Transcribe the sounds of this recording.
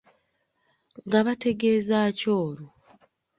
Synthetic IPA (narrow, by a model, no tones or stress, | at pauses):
ŋɡaβate̞ɡe̞ːzaːco̞ːɾu